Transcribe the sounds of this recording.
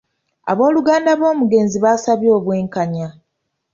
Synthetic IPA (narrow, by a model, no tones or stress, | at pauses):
a̰βo̞ːluɡaːndaβo̞ːmuɡe̞ːnziβaːsaβjo̞ːβwe̞ːŋkaɲa